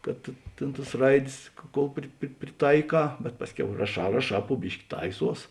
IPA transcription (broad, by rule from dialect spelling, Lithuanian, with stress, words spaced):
kɐt ˈtʲeːn tɐs ˈrɐɪdʲeːs koːlˠ ˈpʲrʲɪ pʲrʲɪ pʲrʲɪˈtɐɪˌkɑː bʲɛt ˈpɑːsʲˌkʲɛʊ rɐˈʃɑː rɐˈʃɑː pʊ ˈbʲɪʃʲkʲɪ ˈtɐɪˌsuɔs